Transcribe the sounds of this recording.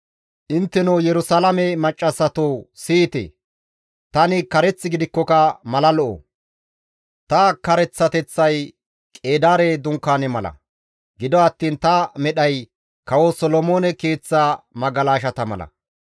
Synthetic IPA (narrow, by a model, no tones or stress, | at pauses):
ʔɪnt̪ːɛnojɛɾʊsɐlɐmɛmɐt͡ʃʼːɐsːɐt̪oːsiːt̪ḛ | t̪ɐnɪkɐɾɛt͡sːɪɡɪd̪ɪkːɔkɐmɐlɐlɔʔo̰ | t̪ɐkɐɾɛt͡sːɐt̪ɛt͡sːɐj | kʼe̞ːd̪aːɾed̪ʊŋkːaːnɛmɐlɐ̰ | ɡɪd̪ɔɐt̪ːiːnt̪ɐmɛɗɐj | kɐwosɔlɔmoːnɛke̞ːt͡sːaːmɐɡɐlaːʃɐt̪ɐmɐ̰lɐ̰